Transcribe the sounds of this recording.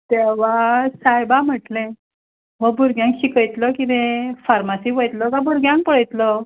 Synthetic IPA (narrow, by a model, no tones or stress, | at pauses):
t̪eʋ̤asajbam̤əʈlẽ | məɡbuɾɡjãŋkɕikəjt̪ləkit̪ẽfaɾmasiːʋəjt̪ləkabuɾɡjãŋk̚pəɭəjt̪lə